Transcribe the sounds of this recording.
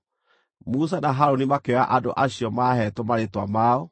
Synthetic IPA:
mus̬anaɦaɾonimakeaʔado̰ʔaɕiɔmahɛtɔmaɾetwa̰maːɔ

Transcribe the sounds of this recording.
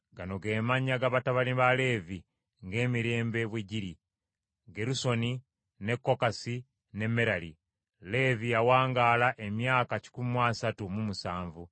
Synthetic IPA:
ɡano̞ɡe̞ːmaɲaɡaβataβaliβale̞vi | ŋɡe̞ːmiɾe̞ːmbeβweɟiɾi | ɡe̞ɾuso̞ni | ne̞kːo̞kasi | ne̞mːe̞ɾali | le̞vijawaːŋɡaːlaʔe̞mjaːkaci̥kumwaːsatumumusaːɱvu

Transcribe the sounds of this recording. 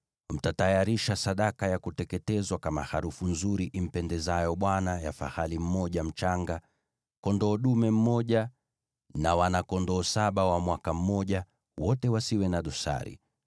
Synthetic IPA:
m̩tatajaɾiʃasaɗakajakutɛkɛtɛzwakamaha̰ɾufunzuɾiʔim̩pɛndɛzajɔɓwanajafa̰halim̩mɔʄam̩t͡ʃaŋɡa | kɔndɔːɗumɛm̩mɔʄa | nawanakɔndɔːsaɓawamwakam̩mɔʄa | wɔtɛwasiwɛnaɗɔsa̰ɾḭ

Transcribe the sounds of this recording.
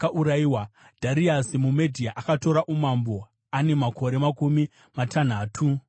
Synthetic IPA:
aʔuɾaiwa | d̥ʱaɾiasimume̞dʱiaʔakato̞ɾaʔumambo̞ | ane̞mako̞ɾe̞makumi | matʰan̤aːtʰu

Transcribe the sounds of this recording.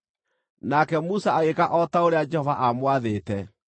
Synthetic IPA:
nakɛmusaaɣekaʔɔtaoɾead͡ʒɛhɔvaʔamwaðeːtɛ

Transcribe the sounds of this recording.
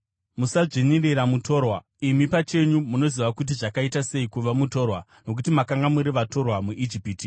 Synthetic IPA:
musaʐenireɾamutʰo̞ːrwa | imipat͡ʃe̞ɲumuno̞ziʋakut̬iʐakaitase̞ikuʋamuto̞ːrwa | no̞k̬utimakaŋɡamuɾiʋato̞rwamuʔid͡ʒipiːti

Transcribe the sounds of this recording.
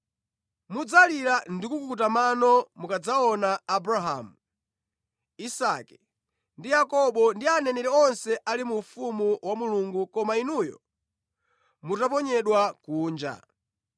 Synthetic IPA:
mud͡zaliɾandikukut̬amanɔmukad͡zaɔnaːbɾaɦa̰ːmu | isakɛ̥ | ndijakɔɓɔndianɛnɛɾɛɔnsɛʔalimufumuwamuluŋɡukɔmainujɔ̰ | mutap̬ɔɲɛɗwakuːnd͡ʒa̰

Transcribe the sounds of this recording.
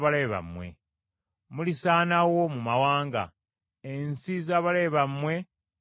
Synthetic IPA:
βale̞βa̰mwe̞̰ | mulisaːnawo̞mumawaːŋɡa̰ | ensizaːβale̞ːβamwe̞

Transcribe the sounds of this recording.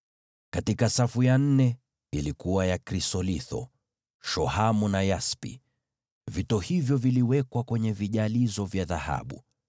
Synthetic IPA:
katikasafujan̩nɛ | ilikuwajakɾisɔliθɔ̰ | ʃɔhamunajaspḭ | vitɔhivjɔviliwɛkwakwɛɲɛviʄalizɔvjaðaha̰ɓṵ

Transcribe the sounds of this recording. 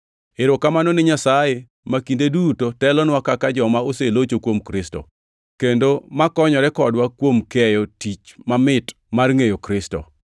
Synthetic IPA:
ɪɾokamanɔnɪɲasaje | makindedutotɛlɔnwakakad͡ʒɔmaoselot͡ʃokwomkɾɪsto̰ | kendomakɔɲɔɾɛkɔdwakwomkɛjɔtit͡ʃmamɪt | marŋejokɾɪstɔ̰

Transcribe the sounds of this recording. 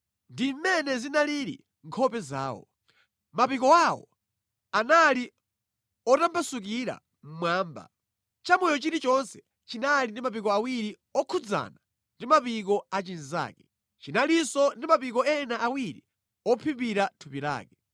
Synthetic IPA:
ndimmɛnɛzinaliɾḭ | ŋkʰɔpɛza̰ːwɔ̰ | mapikɔawɔ̰ | anali | ɔtambasuk̬iɾa̰ | m̩mwaːmba̰ | t͡ʃamɔjɔt͡ʃiɾit͡ʃɔnsɛ̥ | t͡ʃinalindimap̬ik̬ɔawiɾi | ɔkʰud͡za̰na | ndimapik̬ɔat͡ʃiniza̰ːkɛ | t͡ʃinalisɔndimapik̬ɔɛnaʔawiɾḭ | ɔpʰipiɾatʰupiɾa̰ːkɛ

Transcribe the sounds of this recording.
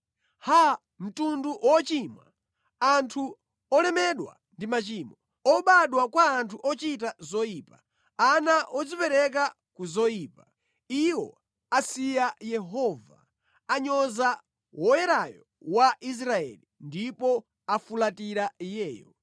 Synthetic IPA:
ha | m̩tunduwɔt͡ʃimwa̰ | antʰu | ɔlɛmɛɗwa̰ | ndimat͡ʃimɔ | ɔɓaɗwakwaːntʰuʔɔt͡ʃit̬azɔjiːpa | anaʔɔd͡zipɛɾɛka | kuzɔjiːpa | iwɔ̰ | asijajɛɦɔva̰ | aɲɔza | wɔjɛɾajɔ | waʔis̬ɾaɛ̰lindipɔ | afulatiɾajɛːjɔ

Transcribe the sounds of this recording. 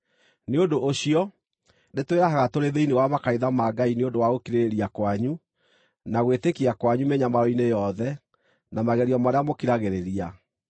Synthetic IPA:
neondoʔoɕiɔ | netweɾaɦaɣatoɾeðeinewamakaiðamaɡaineondowaɣokiɾeɾeɾiakwaɲu | naɣwetekiakwaɲumeɲamaɾɔinejɔðɛ | namaɣɛɾiɔmaɾeamokiɾaɣeɾeɾia

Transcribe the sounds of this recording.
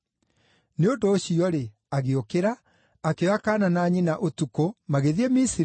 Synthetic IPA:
neondoːɕiɔɾe | aɣeokeɾa | akeɔakaːnanaːɲinaʔotukomaɣeðiɛmisi

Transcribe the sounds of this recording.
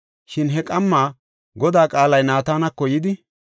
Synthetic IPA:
ʃɪnɦɛkʼɐmːaː | ɡɔd̪aːkʼaːlɐjnaːt̪aːnɐkːɔjɪd̪ɪ

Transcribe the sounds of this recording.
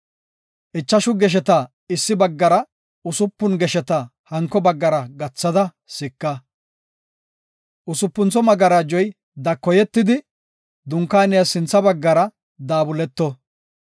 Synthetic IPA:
ʔɪt͡ʃːɐʃʊɡɛʃ̬ɛt̪ɐ | ɪsːɪbɐɡːɐɾɐ | ʊsʊpːʊnɡɛʃɛt̪ɐ | hɐŋkːɔbɐɡːɐɾɐɡɐt͡sːɐd̪ɐ | sɪkːɐ | ʔʊsʊpːʊnt͡sɔmɐɡɐɾad͡ʒɔj | d̪ɐkːɔjɛt̪ːɪd̪ɪ | d̪ʊŋkːaːnɪjɐsɪnt͡sːɐbɐɡːɐɾɐ | d̪aːbʊlɛt̪ːɔ

